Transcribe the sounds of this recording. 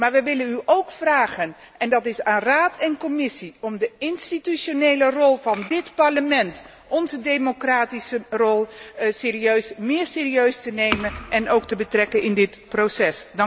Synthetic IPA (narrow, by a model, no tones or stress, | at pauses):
maːɹʋəʋɪlənyʔowkfraːχən | ʔɛndɑtɪsaːnraːtɛnkɔmɪsiɔmdəɪnstityʃonejlərɔlˠvɑndɪtpɑɹləmɛnt | ɔnzədejmokraːtisərɔlˠsɪːɾiøɥsmɪːɹsɪːriøɥstənejmənʔɛnowk̚təbətrɛkənɪndɪtprowsɛsd